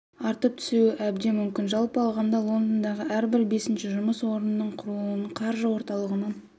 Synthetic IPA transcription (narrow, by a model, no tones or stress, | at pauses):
ɑɾt̪əp̚t̪ʰʏ̥suɪʔæbd̪e̞mʏmkʲɪnʒɑlˠpɑlˠʁɑnd̪ɑlˠo̞nd̪ənd̪ɑʁəʔæɾbɪɾbe̞sɪnʃɪʒʊməswo̞ɾənːəɴqʰʊɾəlˠənəɴqʰɑɾʒəwo̞ɾt̪ɑlˠəʁənɑn